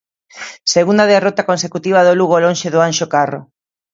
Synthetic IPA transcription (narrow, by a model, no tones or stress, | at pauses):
seɣund̪aðerot̪akonsekut̪iβ̞aðoluɣolõnʃeðʊanʃokaro̰